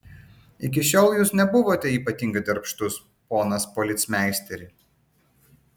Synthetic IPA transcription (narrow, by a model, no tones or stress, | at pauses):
ɪk̬ʲɪʃʲoːlˠjuːsnʲɛbʊʋoːt̪ʲɛiːpɐt̪ʲiːŋɡɐɪd̪ɐɾpʃt̪ʊs | poːnɐspɔlʲɪt̪smʲæˑɪsʲt̪ʲɛɾʲɪ